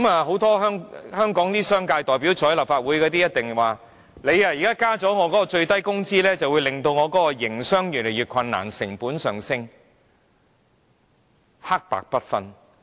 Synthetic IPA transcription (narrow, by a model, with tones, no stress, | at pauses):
kma˨˧ɦo˨˥wt̪ɔː˥ɦœː˥ŋhœː˥ŋkɔː˨˥ŋt̪iː˥sœː˥ŋkaː˧jt̪ɔː˨˩jp̬i˨˥wt͡ʃʰɔː˨˥jlɐ˨˩pfaː˧t̚wuː˨˥jkɔː˧t̪i˥jɐ˥t̚t̪ɪ˨ŋwaː˨ | le˨˧ja˨˧jiː˨kaː˥kaː˥t͡sɔː˨˥ŋɔː˨˧kɔ˨˦˥kɔː˧t͡ʃɵ˧ɥt̪ɐ˥jkʊ˥ŋt͡siː˥lɛː˥t͡sɐ˨wuː˨˧jlɪ˨ŋt̪o˧wŋɔː˨˧kɔː˨˥kɔ˧jɪ˨˩ŋsœː˥ŋjy˨˩nle˨˩jɥyː˨t̚kʷʰɐ˧nːa̰ː˨˩nsɪ˨˩ŋpuː˨˥nsœː˨˩ŋsɪ˥ŋ | ha˥k̚pa̰ː˨k̚pɐ˥t̚fɐ˥n